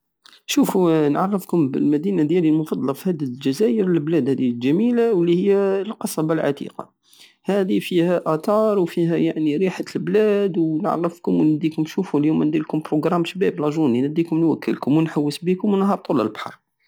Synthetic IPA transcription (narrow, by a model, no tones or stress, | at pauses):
ʃufunʕɑ̰rˤːəfkʊmbəlmæd̪inad̪jælilmʊfɑd̪ˤlɑfihæd̪iʒæzæjəɾəlblæd̪hæd̪ilʒæmilawəlːihəjːælqɑsˤɑbɑlʕa̰t̪ḭqɑ̰ | hæd̪ifihæʔæt̪ɑɾˤwfiɦæjaʕniɾiħalblæd̪wnʕɑ̰rˤːəfkʊmwnæd̪ikʊmʃufuljumnd̪ilkʊmpɾoɡɾˤɑmʃbæblɑʒuninəd̪ikʊmnwækʰːə̰lkʊmwənħawːəsbikʊmwnɦɑɾˤt̪ˤulə̰lbħɑ̰ɾˤ